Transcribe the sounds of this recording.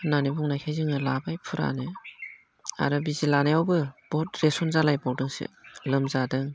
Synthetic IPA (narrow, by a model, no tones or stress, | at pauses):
nanibɔŋnajkʰajzɯŋɯlabajpʰɯɾa̰nɯ | a̰ɾɯbizilanajawbɯb̥ɔt̚ɾesɔnzalajbawdɯŋsḛlɯmzadɯŋ